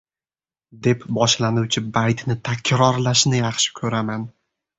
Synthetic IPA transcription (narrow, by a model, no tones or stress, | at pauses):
d̪e̞pbɒʃlanuwt͡ʃʰɪbajt̪nɪt̪ʰakʲʰɾɒɾlaʃnɪjɑχʃɪ̥kʲʰɵɾaman